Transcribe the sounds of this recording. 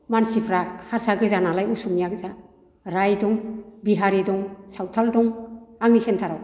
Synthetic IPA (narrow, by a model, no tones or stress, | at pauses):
mansipʰɾahaɾsaɡɯzanalajusumjaɡza | ɾajdɔŋbiɦaɾidɔŋsawtʰaldɔŋaŋnisentʰaɾaw